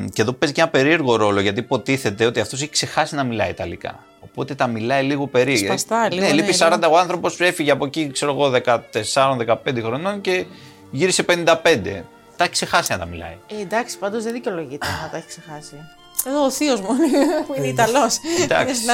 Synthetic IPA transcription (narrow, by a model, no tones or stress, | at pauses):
ce̞ðo̞pe̞zcenɐpe̞ɾie̞ɾɣo̞ɾo̞lo̞ʝɐt̪̬ipo̞t̪iθe̞t̪eo̞t̪iɐft̪os̬eçekse̞xɐsinɐmilɐit̪ɐlikɐ̰ | o̞po̞t̪e̞t̪ɐmilɐiliɣo̞pe̞ɾisnelipisɐɾɐnd̪ɐoɐnθɾo̞po̞spse̞fiʝeɐpo̞cikse̞ɾo̞ɣo̞ðe̞kɐt̪e̞sɐɾo̞nðe̞kɐpe̞nd̪exɾo̞no̞nce̞ | ʝiɾise̞pe̞nind̪ɐpe̞nd̪e̞̰ | t̪ɐçi̥kse̞xɐsinɐt̪ɐmilɐ̰ied̪ɐksi̥pɐnd̪o̞zðeðiceoloʝit̪enɐt̪ɐeçi̥ksexɐsi | eðoːθiozmuneineit̪ɐlosd̪ɐ̰ks